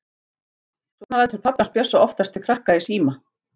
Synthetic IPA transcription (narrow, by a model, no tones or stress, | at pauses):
svɔnaɾaɛt̪ʰʏɾ̥pʰapnanspjœsːaɔft̪ast̪ɪkʰɾahkaisiːma